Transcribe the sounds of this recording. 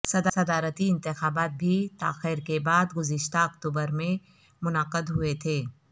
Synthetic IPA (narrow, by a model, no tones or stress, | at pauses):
sɐd̪sɐd̪aːɾət̪iɪ̃nt̪ɪxaːbaːt̪̚bʱit̪aːxɪɾkebaːd̪ɡʊzɪʃt̪aɐkt̪uːbəɾmẽ | mʊnəqəd̪ɦʊet̪ʰeː